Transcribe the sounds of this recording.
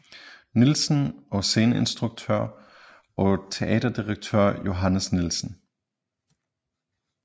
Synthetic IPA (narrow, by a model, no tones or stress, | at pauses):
nilsn̩ɒ̽se̝ːnəe̝nsd̥ʁuɡ̥̚t͡sʰøɐ̰ | ʔɒ̽t͡sʰe̝ʔɛ̰ːd̥ɐd̥iʁɑɡ̥̚t͡sʰø̰ɐ̰jo̝ɦænəsnilsn̩